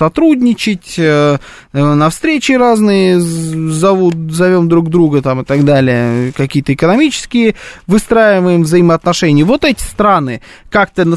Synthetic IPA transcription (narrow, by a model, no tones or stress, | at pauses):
sɐt̪ɾudʲnʲɪt͡ɕɪtʲə | ənɐfst̪ɾʲet͡ɕɪraznɨjəzɐvut̪zɐvʲo̞md̪ɾuɡd̪ɾuɡət̪amɨt̪ɐɡd̪alʲɪjəkɐkʲijət̪əɪkənɐmʲit͡ɕɪ̥skʲɪjəvɨst̪ɾajɪvəjɪmvzəjɪməɐt̪nɐʂɛnʲɪjəvo̞t̪ɛtʲɪ̥st̪ɾanɨkak̚t̪ənə